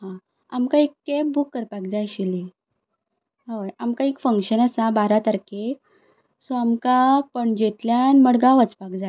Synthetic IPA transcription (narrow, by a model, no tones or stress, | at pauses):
ɦã | a̰mkãikːebukːəɾpak̚d͡zajɕile | ɦaʋəjamkãikfəŋkɕənəsabaɾat̪əɾke | soamkapəɳd͡ʑet̪ljanməɽɡãʋət͡spak̚d͡za